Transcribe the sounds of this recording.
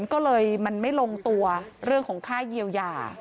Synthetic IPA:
nkɔː˥˩lɤː˧jma˧nma˥˩jlo˧ŋt̪u˧ɐɾɯ˥˩əŋkʰɔː˩˦ŋkʰaː˥˩ji˧əwja̰ː˨˧˩

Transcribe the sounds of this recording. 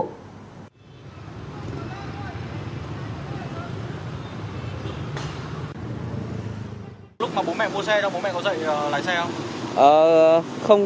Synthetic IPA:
lʊ˦˥k͡p̚maː˨˩ɓo˨˦mɛ̰˧˨mu˧əsɛ˧ɗɔ˨˦ɓo˨˦nmɛ̰˧˨kɔ˨˦zə̰˧˨jʔəː˨˩la̰˧˨jsɛ˧ʔəː˨˩xə˧wŋ͡m

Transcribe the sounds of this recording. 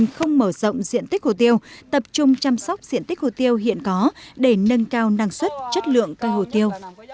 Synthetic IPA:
ŋxə˧wŋ͡mməː˧˩zo̰˧˨wŋ͡mzḭ˧˨ənt̪ï˦˥k̚ho˧˩t̪i˧əwt̪ə˨˩p̚t͡ɕʊ˧ŋ͡mt͡ɕa˧msɔ˦˥wk͡p̚zḭ˧˨ənt̪i˦˥k̚ho˧˩t̪i˧əwɦḭ˧˨ənkɔ˨˦ɗe˧˩nə˧nkaː˧wna˧ŋswə˦˥t̚t͡ɕə˦˥t̚lɨ̰˧˨əŋkəː˧jɦo̰˧˩t̪i˧əw

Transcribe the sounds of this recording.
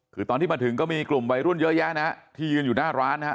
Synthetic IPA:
kʰɯː˨˩t̪ɔː˧nt̪ʰiː˥˩a˧t̪ʰɯ˩˦ŋkɔː˥˩miː˧klu˨˩mwa˧jɾu˥˩ənjɤ˦˥ʔja˦˥na˦˥t̪ʰiː˥˩jɯː˧njuː˨˩naː˥˩ɾaː˦˥nɦa˦˥

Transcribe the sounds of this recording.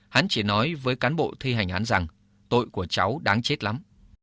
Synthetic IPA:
ha˨˦nt͡ɕi˧˩nɔ˨˦jvəː˨˦jkaː˨˦nɓo̰˧˨t̪ʰi˧ɦa˨˩jŋ̟ʔaː˨˦nza˨˩ŋ | t̪o̰˧˨jku˧˩ət͡ɕa˨˦wɗaː˨˦ŋt͡ɕe˦˥t̚la˨˦m

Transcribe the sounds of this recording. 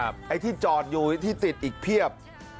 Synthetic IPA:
p̚ʔa˧jt̪ʰiː˥˩t͡ɕɔː˨˩t̪̚juː˧t̪ʰiː˥˩t̪i˨˩t̪̚ʔiː˨˩k̚pʰi˥˩əp̚

